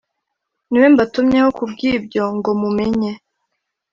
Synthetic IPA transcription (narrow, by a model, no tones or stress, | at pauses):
niwe̞mbatumɲehokub̚ɡiːb̚ɟo̞ŋɡo̞mumeɲe̞